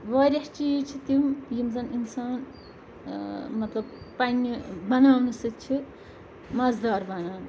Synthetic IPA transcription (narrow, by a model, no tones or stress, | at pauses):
ʋɐɾʲɐht͡ʃiːt͡ʃʰit̪imjimzɐninsaːn | mɐt̪lɐb̚panːibɐnawnusɨtt͡ʃʰi | mɐzd̪aːɾbɐnaːwn